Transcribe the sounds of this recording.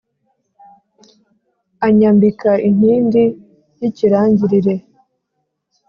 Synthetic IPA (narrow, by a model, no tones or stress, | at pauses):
aɲambikaʔin̥hiːndi | jiciɾaːɲɟiɾiɾe̞